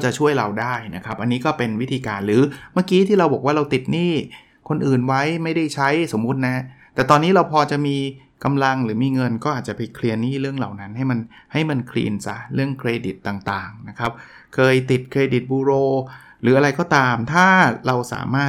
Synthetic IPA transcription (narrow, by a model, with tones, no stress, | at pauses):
t͡ɕa˨˩t͡ɕʰu˥˩əjɾa˧wdaː˥˩jna˦˥kʰɾa˦˥p̚ʔa˧nːiː˦˥kɔː˥˩pe˧nwi˦˥t̪ʰiː˧kaː˧nɾɯː˩˦maː˥˩kiː˦˥t̪ʰiː˥˩ɾa˧wbɔː˨˩k̚waː˥˩ɾa˧wt̪i˨˩t̪̚niː˥˩ | kʰo˧nʔɯː˨˩nwa˦˥jma˥˩jda˥˩jt͡ɕʰa˦˥jso˩˦mːu˦˥t̪̚na˦˥t̪ɛː˨˩t̪ɔː˧nːiː˦˥ɾa˧wpʰɔː˧t͡ɕa˨˩miː˧ | ka˧mla˧ŋɾɯː˩˦miː˧ŋɤ˧nkɔː˥˩ʔaː˨˩t̪̚t͡ɕa˨˩pa˧jkʰli˧əniː˥˩ɾɯ˥˩əŋlaː˨˩wna˦˥nɦa˥˩jma˧nha˥˩jma˧nkʰlḭː˧nsa˨˦˩ɾɯ˥˩əŋkʰɾeː˧di˨˩t̪ːaː˨˩ŋt̪aː˨˩ŋna˦˥kʰɾa˦˥p̚ | kʰɤː˧jt̪i˨˩t̪̚kʰɾeː˧di˨˩t̪̚buː˧ɾoː˧ | ɾɯː˩˦ʔa˧ɾa˧jkɔː˥˩t̪aː˧mt̪ʰaː˥˩ɾa˧wsa̰ː˩˦maː˥˩